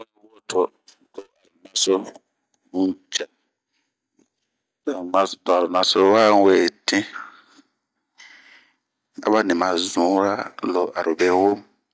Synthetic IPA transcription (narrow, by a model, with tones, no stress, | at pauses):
o˦lwo˦tʰo˨ | d̥o˨a˨ɾu˨na˨so˦ | d͡ʒa˨ | da˨ma˨sdo˨a˨ɾu˨nã˨so˦wa˦˨˦we˨tʰĩ˦ | a̰˦βa˦nĩ˨mã˨zũ˨˦ɾa˦lo˨ʔa˨ɾu˨be˦wo˦m